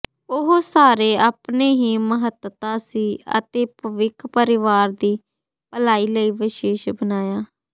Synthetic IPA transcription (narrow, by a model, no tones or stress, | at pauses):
ʊɦoːsaːɾeːaːpneːɦiːməɦət̪t̪ãːsiːə̰t̪eːpəʋɪkʰpəɾɪʋaːɾd̪iː | pəlaːiːləiːʋɪʃeːʃbənaːjaː